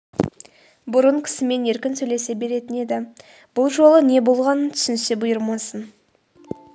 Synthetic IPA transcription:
bʊɾəɴkʲʰɪ̥sɪme̞ne̞ɾkʲɪnsɵjle̞se̞be̞ɾe̞t̪ɪne̞d̪ɪ | b̥ʊlˠʒo̞lˠəne̞bo̞lˠʁɑnənt̪ʰʏ̥sɪnɪse̞bʊjəɾmɑsən

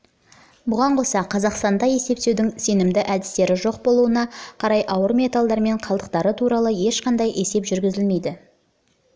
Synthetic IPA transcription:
bʊʁɑɴqʰo̞sɑqʰɑzɑqst̪ɑnd̪ɑje̞se̞p̚t̪ewd̪ɪŋse̞nɪmd̪ɪʔæd̪ɪst̪e̞ɾɪʒo̞q̚bo̞lˠuənɑqʰɑɾɑjʔɑwəɾmʲe̞t̪alˠd̪ɑɾme̞ɴqʰɑlˠd̪əq̚t̪ɑɾət̪ʰuɾɑlˠəje̞ʃqɑnd̪ɑjʔe̞se̞pʒʏɾɡʲɪzɪlme̞jd̪ɪ

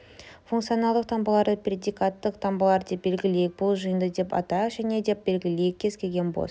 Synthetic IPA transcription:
fuŋkt̪sijonɑlˠd̪əq̚t̪ʰɑmbəlˠɑɾd̪əprʲed̪ijkat̪ːəqt̪ʰɑmbəlˠɑɾd̪e̞p̚be̞lɡʲɪle̞jɪk̚bʊlˠʒəjənd̪əd̪e̞pɑ̰t̪ɑʒæne̞d̪e̞p̚be̞lɡʲɪle̞jɪk̚ʲʰːe̞z̥kʲʰe̞lʲɡʲenbo̰s

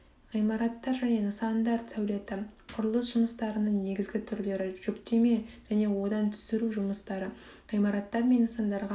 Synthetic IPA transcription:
ʁijmɑɾɑt̪ːɑɾʒæne̞nəsɑnd̪ɑɾt̪sæwle̞t̪ɪqʰʊɾəlˠəsʒ̥ʊməst̪ɑɾənəɴne̞ɡʲɪzɡʲɪt̪ʰʏɾle̞ɾɪʒ̥ʏkt̪e̞me̞ʒ̥æne̞wo̞d̪ɑnt̪ʰʏ̥sɪɾuʒʊməst̪ɑɾə | ʁ̥ijmɑɾɑt̪ːɑɾme̞nːəsɑnd̪ɑɾʁɑ

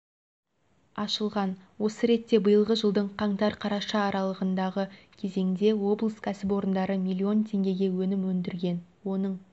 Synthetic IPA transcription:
ɑʃəlˠʁɑnwo̞səɾe̞t̪ːe̞bəjəlˠʁəʒəlˠd̪əɴqʰɑɴt̪ɑɾqʰɑɾɑʃɑːɾɑlˠəʁənd̪ɑʁə | kʲʰe̞ze̞ŋd̪e̞wo̞blˠəskʲʰæsɪpo̞ɾənd̪ɑɾəmʲilʲˠːio̞nt̪ʰe̞ŋɡʲe̞ɡʲe̞wɵnɪmwɵnd̪ɪɾɡʲe̞nwo̞nəɴ

